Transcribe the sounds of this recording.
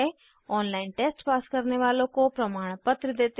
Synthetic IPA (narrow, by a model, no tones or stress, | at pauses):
e | ɔːnlaːɪnʈeːsʈpaːskəɾneʋaːlõkopɾɐmaːɽ̃pət̪ɾd̪eːt̪